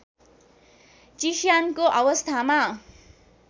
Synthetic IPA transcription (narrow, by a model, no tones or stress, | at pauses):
t͡ʃiʃjankoʔawɔst̪ʰama